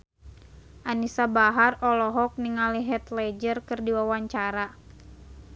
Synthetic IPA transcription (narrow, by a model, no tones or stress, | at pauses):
ʔanisabaɦarɔlɔɦɔk̚niŋaliɦɛt̪lɛd͡ʒərkɨrdiwawaɲt͡ʃaɾa